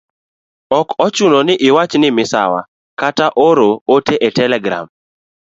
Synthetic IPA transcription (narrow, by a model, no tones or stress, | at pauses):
ɔkɔt͡ʃunonɪʔɪwat͡ʃnɪmɪsa̰wa̰ | kataʔoɾooteʔetɛlɛɡɾa̰m